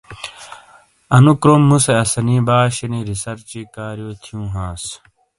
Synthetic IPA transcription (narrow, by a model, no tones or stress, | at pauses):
ɐnukɾomːuseɐsɐniːbaːɕɐniːɾisɐɾt͡ɕiːkaːɾijoːt̪ʰijũːɦãːs